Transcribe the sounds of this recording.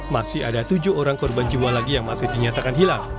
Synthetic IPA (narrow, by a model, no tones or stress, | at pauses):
masɪhadat̪ud͡ʒʊɦoɾaŋkɔrband͡ʒiwalaɡijaŋmasɪhdiɲat̪akanɦilaŋ